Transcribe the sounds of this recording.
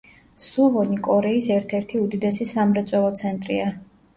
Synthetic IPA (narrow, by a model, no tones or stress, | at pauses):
suʁɔnikʼɔɾɛisɛɾt̪ʰɛɾt̪ʰiud̪id̪ɛsisamɾɛt̪sʼwɛlˠɔt̪sʰɛnt̪ʼɾia